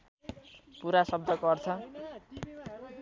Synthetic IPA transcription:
puɾasʌb̚d̪ʱʌkʌrt͡sʰʌ

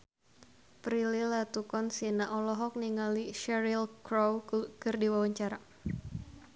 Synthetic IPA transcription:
pɾililat̪ukɔnsinaʔɔlɔɦɔk̚niŋaliʃɛɾilkɾowkɨrdiwawaɲt͡ʃaɾa

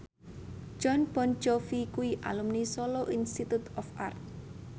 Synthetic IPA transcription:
d͡ʒ̥ɔnb̥ɔnd͡ʒɔfikuiʔa̰lumnisoloʔinst̪it̪ut̪ɔfa̰rt̪̚

